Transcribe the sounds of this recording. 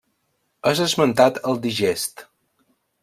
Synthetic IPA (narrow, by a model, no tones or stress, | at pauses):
əzəzmənt̪at̪əlˠd̪iʒest̪